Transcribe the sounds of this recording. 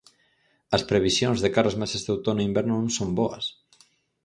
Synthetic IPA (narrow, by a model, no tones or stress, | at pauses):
ɐspɾeβ̞isjonzðekaɾɐzmesezðowt̪onimbeɾnunsombɔɐ̰s